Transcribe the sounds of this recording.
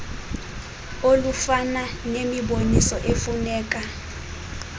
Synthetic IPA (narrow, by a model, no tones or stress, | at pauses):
olufananemiɓonisɔʔefunɛːk̬ʼa